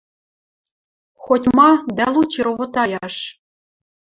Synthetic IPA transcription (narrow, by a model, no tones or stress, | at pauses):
xotʲmɑd̪ælˠut͡ɕɤ̆ɾoβŏt̪ɑjɑʃ